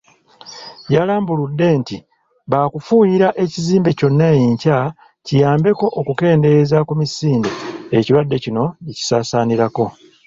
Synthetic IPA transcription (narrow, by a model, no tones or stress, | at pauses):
jalaːmbuludːe̞ːnti | βaːkufujiɾaʔe̞ciziːmbe̞co̞nːajiɲca | cijaːmbe̞ko̞ʔːkuke̞ːnde̞zakumisiːnde̞eciɾwadːe̞cino̞ici̥saːsaːniɾako̞